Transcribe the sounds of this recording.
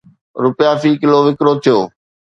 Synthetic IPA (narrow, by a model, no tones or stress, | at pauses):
ɾʊpɪjafiːkɪloʋɪkɾoːt̪ʰɪjoː